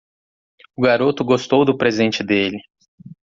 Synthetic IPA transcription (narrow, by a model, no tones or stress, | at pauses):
ʊɡaɾot̪ʊɡost̪owd̪ʊpɾezẽnt͡ʃɪd̪elɪ